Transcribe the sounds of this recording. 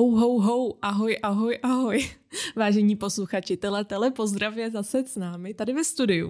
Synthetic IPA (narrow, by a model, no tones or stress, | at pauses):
owɦowɦowʔaɦo̞jʔaɦo̞jʔaɦo̞jvaːʒɛɲiːpo̞sluxat͡ʃɪt̪ɛlɛt̪ɛlɛpo̞zd̪ɾavjɛzasɛsnaːmɪt̪adɪvɛst̪udɪjṵ